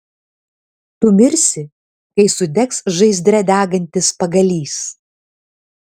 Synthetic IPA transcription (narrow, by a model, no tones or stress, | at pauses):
t̪ʊmʲɪɾʲsʲɪ | kɐɪsʊd̪ʲɛksʒɐɪzʲd̪ʲɾʲɛd̪ʲæːɡɐnʲt̪ʲɪspɐɡɐlʲiːs